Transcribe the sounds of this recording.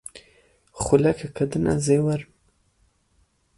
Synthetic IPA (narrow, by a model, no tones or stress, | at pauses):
χulakʰakʰad̪ɨna̰zewaɾm